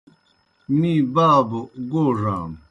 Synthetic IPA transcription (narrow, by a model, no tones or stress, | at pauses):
mĩːbaːboɡoːʐaːm